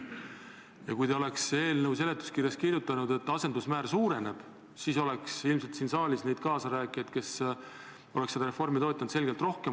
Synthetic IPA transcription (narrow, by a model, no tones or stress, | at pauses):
jɑkujd̪ɑo̞le̞kse̞ːlnəus̬e̞le̞t̪ːˑu̥skirjɑskirjut̪ːˑɑnud̪e̞t̪ːˑɑse̞nd̪usmæːrsuːɾe̞ne̞b̥ | siso̞le̞ksilmselt̪siːnsɑːlʲisne̞jd̥̪̚kɑːsɑɾæːkˑijɑd̪̥ke̞s | o̞leksed̪̥ɑɾe̞fo̞rmit̪oːt̪ʲːˑɑnse̞lɡelt̪ro̞hkem